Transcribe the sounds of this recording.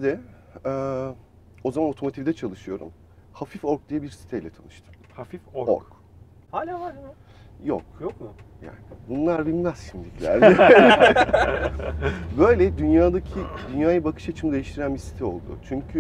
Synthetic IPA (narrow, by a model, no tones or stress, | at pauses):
d̪ɛ | ɛː | o̞zamano̞t̪ʰo̞mo̞t̪ʰivd̪ɛt͡ʃʰalˠɯʃɯjo̞ɾṵm | hafifo̞ɾk̚d̪ijɛbiɾsi̥t̪ʰɛjlʲɛt̪ʰa̰nˠɯʃt̪ʰɯ̥m | hafifoo̰ɾk | a | jo̰kjokʊja̰ːnɪbunlˠaɾbilʲmæz̥ʃimd̪ilʲiclʲæ̰ɾdɛ | bø̞jlʲɛd̪ynjaːd̪acʰid̪ynjaːjabakʰɯ̥ʃat͡ʃʰɯmɯd̪e̞jiʃt̪ʰiɾænbisi̥t̪ʰɛo̞lˠd̪ʊ̰t͡ʃʰyɲcʰy